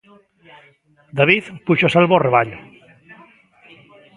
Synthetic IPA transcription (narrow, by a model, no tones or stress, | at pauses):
d̪aβiθpuʃosalβoreβaʎ